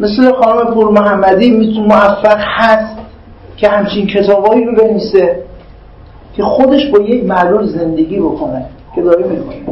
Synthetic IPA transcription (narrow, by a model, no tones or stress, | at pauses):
meslexɒːnome̞pʰuːɾmoɦæmːæd̪iːmit̪ʰunemoæfːæɣhæst̪ | cʲʰe̞hæmt͡ʃʰincʰe̞t̪ʰɒːbhɒːiɾobe̞nvise | cʲʰe̞xod̪e̞ʃbɒːjecmæʔlulze̞nd̪e̞ɡʲiːbokʰone | cʰe̞d̪ɒːɾimik̪ʰun